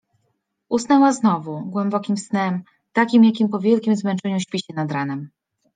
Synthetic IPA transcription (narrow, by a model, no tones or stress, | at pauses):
ʔusnawaznɔvuɡwɛmbɔkʲimsnɛm | t̪akʲimjakʲimpɔvʲjɛlkʲimzmɛnt͡ʂɛɲuɕpʲiɕɛnad̪ɾanɛm